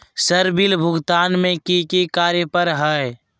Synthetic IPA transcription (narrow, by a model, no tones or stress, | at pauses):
səɾbilbʱʊɡt̪aːnmẽkikikaːɾjəpəɾɦɛ